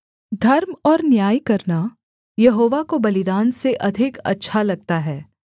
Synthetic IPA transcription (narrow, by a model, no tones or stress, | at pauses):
d̪ʱɐɾmɔːɾnjaːjkɐɾna | jɐɦoːʋakobɐlɪd̪aːnseʔɐd̪ʱɪkɐ̰tːʃʰalɐɡ̚t̪aɦɛː